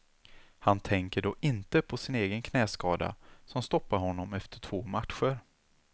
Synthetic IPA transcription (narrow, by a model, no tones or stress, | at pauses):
hant̪ʰɛŋkəɖɔːʔɪnt̪əpʰɔsɪneːɡənkʰnɛːskɑːd̪a̰sɔmst̪ɔpːaɾhɔnːɔmɛft̪əʈʰv̥oːmat̪ɧəɾ